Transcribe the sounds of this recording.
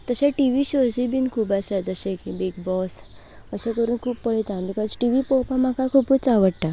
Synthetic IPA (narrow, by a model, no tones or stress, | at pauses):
t̪əɕeʈiʋiɕod͡ʑibiːnkʰuːpasad͡zəɕẽkibiɡ̚bɔs | əɕekəɾuːnkʰuːpːəɭet̪amikəd͡zʈiʋipokamakakʰuput͡saʋəɽʈa